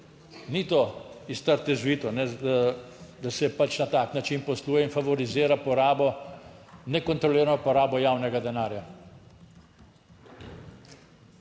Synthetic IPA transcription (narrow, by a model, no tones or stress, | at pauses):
nit̪oist̪əɾt̪ɛzʋiːt̪ɔnɛd̪a | d̪asɛpat͡ʃnat̪aːknat͡ʃinpɔsluːjɛinfaʋɔɾizɪːɾapɔɾaːbɔ | nɛkɔnt̪ɾɔliːɾanɔpɔɾaːbɔjaːwnɛɡad̪ɛnaːɾja